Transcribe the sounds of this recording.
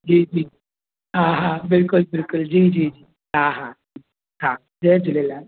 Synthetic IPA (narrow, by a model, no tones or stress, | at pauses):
d͡ʑiːd͡ʒiː | ɦãɦãbɪlkʊlbɪlkʊld͡ʑiːd͡ʑiːd͡ʒiː | ɦãɦã | i | ɦã | d͡zed͡zilela